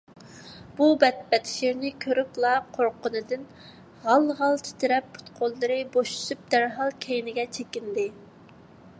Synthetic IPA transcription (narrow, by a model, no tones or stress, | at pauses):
b̥ubɛt̪̚pɛt̪ʰʃiɾnɪkʲʰøɾyplˠɑqʰoɾqʊnɨd̪ɪn | ʁɑlˠʁɑlˠt̪ʰi̥t̪ʰɪɾɛpːʰu̥t̪qʰolˠːɨɾɨboʃu̥ʃyp̚d̪æɾɦɑlˠkʲʰejnɪɡʲɛt͡ʃʰekʲind̪ɪ